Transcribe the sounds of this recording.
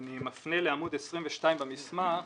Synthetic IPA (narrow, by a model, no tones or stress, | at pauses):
nimafneleamudɛsʁimvɛʃtaimbamisma